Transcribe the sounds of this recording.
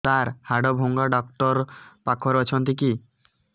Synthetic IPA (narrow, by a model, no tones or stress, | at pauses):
t̪aɾhaɖɔbʱoŋɡaɖɔkʈɔɾpakʰɔɾɔt͡ʃʰɔnt̪iki